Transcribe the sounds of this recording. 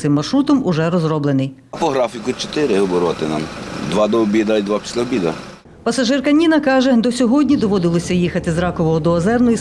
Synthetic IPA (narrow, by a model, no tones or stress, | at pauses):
sɪmːɐrʃɾut̪ɔmʊʒɛɾɔzɾɔblˠenɪj | pɔɦɾɑfʲikʊt͡ʃɔ̥t̪ɪɾɪɦɔbɔɾʋat̪ɪna̰md̪ʋɑd̪ɔɔbʲid̪ɐid̪ʋɑpʲi̥sʲlʲɐɔbʲid̪ɐ̰ | pɐsɐʒɪrkɐnʲinɐkɑʒɛd̪ɔsʲɔɦɔdʲnʲid̪ɔʋɔd̪ɪlˠɔsʲɐjixɐt̪ɪzɾɑkɔʋɔɦɔd̪ɔɐzɛrnɔji